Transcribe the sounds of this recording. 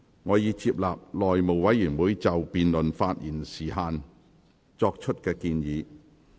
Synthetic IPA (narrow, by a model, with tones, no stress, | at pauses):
ŋɔː˨˧jiː˨˧t͡siː˧p̚laː˨p̚lɔː˨jmo˨˩wwɐ˨˥jːyː˨˩nwuː˨˥jt͡sɐ˨wpiː˨nlɵ˨nfaː˧t̚jiː˨˩nsiː˨˩ɦaː˨˧n | t͡sɔː˧k̚t͡ʃʰɵ˥t̚kɛː˧kiː˧njiː˨˧